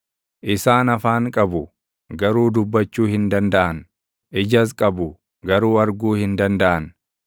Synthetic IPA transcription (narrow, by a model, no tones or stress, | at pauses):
ʔɪsaːnɐfaːŋkʼɐbʊ | ɡɐɾuːd̪ʊbːɐt͡ʃːuːhɪnd̪ɐnd̪ɐʔɐn | ʔɪd͡ʒɐs̬kʼɐbʊ | ɡɐɾuːɐɾɡuːhɪnd̪ɐnd̪ɐʔɐn